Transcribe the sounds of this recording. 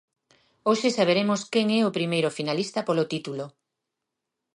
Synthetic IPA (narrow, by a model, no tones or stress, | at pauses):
oʃesaβ̞eɾemʊskɛŋɛopɾimejɾʊfinalist̪ɐpolot̪it̪ulo